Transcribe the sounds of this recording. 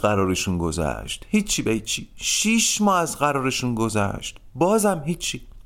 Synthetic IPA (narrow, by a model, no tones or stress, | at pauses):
ɢæɾɒːɾeʃuːnɡo̞zæ̰ʃt̪hiːt͡ʃʰːibehiːt͡ʃʰiʃiʃmɒːæzɢæɾɒːɾeʃuːnɡo̞zæ̰ʃt̪bɒːzæmɦiːt͡ʃʰːi